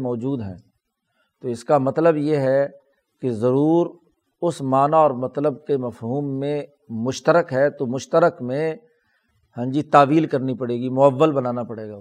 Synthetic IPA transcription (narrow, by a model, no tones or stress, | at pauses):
mɔːd͡ʒuːd̪ɦɛ̰̃ː | t̪oɪskamɐt̪ləbjeɦɛ | kezɐɾuːɾ | ʊsmaːnaɔːɾmɐt̪ləb̚kemɐfɦuːmːẽ | mʊʃt̪əɾəkɦɛt̪omʊʃt̪əɾəkmẽ | hə̃ːɲd͡ʒit̪aːʋiːlkɐɾnipɐɽeːɡimʊəʋːəlbɐnaːnapɐɽeːɡaː